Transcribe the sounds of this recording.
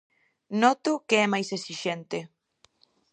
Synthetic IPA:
nɔt̪ʊkeɛmajsesiʃent̪ɪ

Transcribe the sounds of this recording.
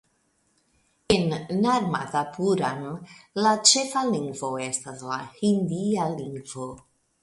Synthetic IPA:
enːaɾma̰tapuɾamlat͡ʃe̞faliŋɡvo̞e̞staslahind̪ialiŋɡvo

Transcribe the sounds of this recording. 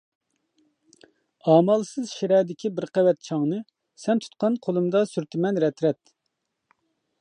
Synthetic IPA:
ɑːmɑlˠsɨzʃiɾɛːd̪ɪkʲibɪɾqɛwɛt̪̚t͡ʃʰɑŋnɨ | sɛnt̪ʰu̥t̪̚qɑnqʰolˠɨmd̪ɑsyɾt̪ʰɪmɛnɾɛt̪ɾɛt̪̚

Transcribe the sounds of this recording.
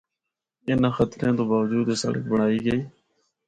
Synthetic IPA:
ɪnãːxət̪ɾẽːt̪õːbaːʋəd͡ʒuːd̪eːsə̰lə̰kbəɳ̤aːiːɡəiː

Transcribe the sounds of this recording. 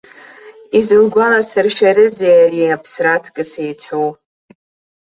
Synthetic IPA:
izɨlɡʷalasɨrʃᶣaɾɨzeariapʰsratʰkʼɨsejt͡ɕʷʰow

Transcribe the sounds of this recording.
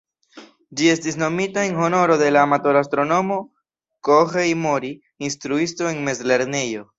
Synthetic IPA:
d͡ʒie̞stisno̞mitae̞nɦo̞no̞ɾo̞de̞laːmatoɾastɾo̞no̞mo̞ | koxejmo̞ɾi | instɾuisto̞e̞nme̞zle̞ɾne̞jo̞

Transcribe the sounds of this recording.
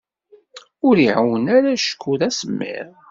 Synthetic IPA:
ʊɾiʕəwənaɾæʃə̥kːuðæsəmːḭɾ

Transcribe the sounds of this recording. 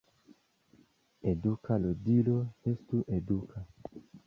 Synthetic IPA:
edukalodiloestuʔedukʰa

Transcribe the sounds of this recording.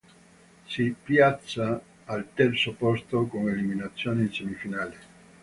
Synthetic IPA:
sipjat̪sːaː | lt̪ɛɾsopost̪okoŋeliminat̪sːjoːnesemifinale

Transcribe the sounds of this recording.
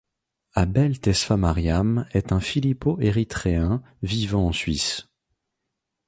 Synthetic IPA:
abɛlt̪ɛsfamaʁjamɛt̪ɛ̃filipoʔeʁit̪χeɛ̃ | vivɑ̃ɑ̃sɥis

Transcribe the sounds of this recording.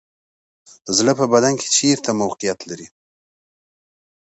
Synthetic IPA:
d̪̥əzləpəbad̪ankʰe̥t͡ʃeɾt̪ʰamawqijat̪laɾi

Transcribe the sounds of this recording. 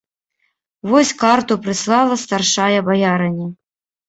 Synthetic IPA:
vɔsʲkart̪upɾɨslˠɑlˠɐst̪arʂajɐbajaɾɐnʲːɐ

